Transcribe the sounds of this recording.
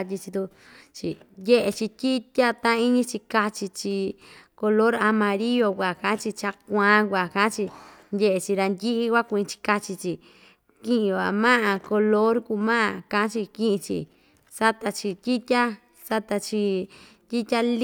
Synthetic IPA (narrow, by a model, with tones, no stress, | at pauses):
tʲi˧t͡ʃi˧t̪u˧ | t͡ʃi˨je˦ʔe˧t͡ʃi˧tʲi˦tʲa˦t̪ã˦˧i˦ɲĩ˧˦t͡ʃi˧ka˧t͡ʃi˧t͡ʃi˧ko˧lo˦ɾa˧mã˧ɾi˦jo˧kʷa˨kã˧˦t͡ʃi˧t͡ʃa˧kʷã˧˦kʷa˨kã˨˦t͡ʃi˧ndʲe˦ʔe˧t͡ʃi˧ɾa˧nd̪ʲi˦ʔi˦kʷa˦kʷu˧ĩ˧t͡ʃi̥˧ka˧t͡ʃi˧t͡ʃi˧˨ | kĩ˦ʔĩ˧a̰˨mã˦ʔã˧ko˧lo˦ɾku˧mã˦ʔã˧˨kã˧ʔa˦t͡ʃi˧kĩ˦ʔĩ˧t͡ʃḭ˧ | sa˦t̪a˧t͡ʃi˧t̪ʲi˦tʲa˦ | sa˧t̪a˧t͡ʃi˧ | t̪ʲi˦tʲa˦l